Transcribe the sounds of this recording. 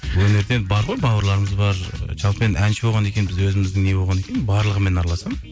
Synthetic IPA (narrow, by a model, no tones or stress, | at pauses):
wɵne̞ɾd̪e̞nbɑɾʁo̞jbɑwəɾlˠɑɾəməzbɑɾʒɑlˠpəmenʔænʃɪboʁɑne̞kʲe̞bɪzwɵzɪmɪzd̪ɪŋne̞boʁɑnekʲe̞ɪnbɑɾlˠəʁəme̞nɑɾɑlˠɑsɑm